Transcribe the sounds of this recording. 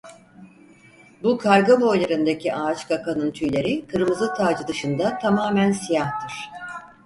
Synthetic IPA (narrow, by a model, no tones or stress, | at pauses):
bukʰaɾɡabo̞jlˠaɾɯnd̪ecʰiʔaːt͡ʃkʰakʰanɯnt̪ʰyjlʲe̞ɾikʰɯɾmɯzɯt̪ʰaːd͡ʒɯd̪ɯʃɯnd̪at̪ʰamaːmænsijaht̪ʰɯɾ̥